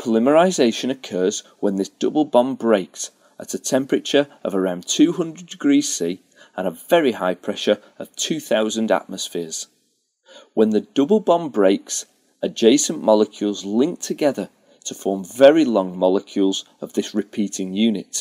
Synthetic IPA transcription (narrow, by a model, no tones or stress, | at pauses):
pʰəlɪməɹaɪzeɪʃə̃nəkʰɜːzwə̃nðɪsd̥ʊbl̩ˠbɒ̃mbɹeɪks | ʔə̰tətʰɛ̃mpɹɨt͡ʃə˞ə̰vəɹãʊ̃ntʰʉːɦʊ̃ndɹədɪɡɹiːz̥siː | ə̃nəvɛɹihaɪpʰɹ̥ɛʃə˞ | əv̥tʰʉːθaʊzə̃nda̰ʔ̚məsfɪəz̥ | wə̃nðədʊbl̩ˠbɒ̃mbɹeɪks | ʔəd͡ʒeɪsə̃nmɒlˠəkʰj̥ulˠzlɪ̃ŋk̚tʰəɡɛðə˞ | tʰəfɔːɹɱvɛɹilɔ̃ŋmɒlˠəkʰj̥ulˠz | əvðɪsɹɨpʰitɪ̃ŋjʉːnɪt